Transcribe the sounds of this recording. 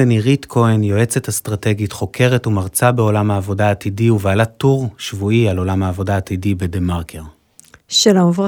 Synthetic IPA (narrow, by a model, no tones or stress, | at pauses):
eniʁitkʰo̞enjo̞e̞t͡setast̪ʁate̞ɡitχo̞kʰe̞ʁetumaʁt͡sabe̞o̞lamhaːvo̞daːtidiuveːlatːuʁʃvuialo̞lamhaːvo̞daːt̪idibedemaʁkʰeʁ | ʃelav